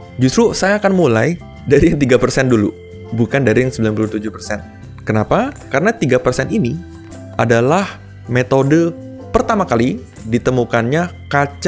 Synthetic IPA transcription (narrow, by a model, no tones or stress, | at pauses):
d͡ʒust̪ɾusajaːkanmulaj | daɾiŋt̪iɡapərsɛndulṵ | bukandaɾiŋsəmbilanpuluht̪ud͡ʒuhpərsɛn | kənapakaɾənat̪iɡapərsɛnini | ʔadalah | met̪odə | pərt̪amakali | dit̪əmukanɲakat͡ʃ